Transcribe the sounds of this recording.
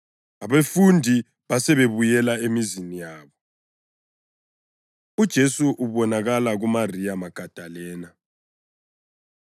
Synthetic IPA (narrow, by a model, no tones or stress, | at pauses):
aβefundʱi | βasɛβeβujɛlaemizinijaːβɔ | ud̥ʒ̥ʱesuʔuβɔnaɣalaɣumarijamaɡ̥ʱad̥ʱalɛːna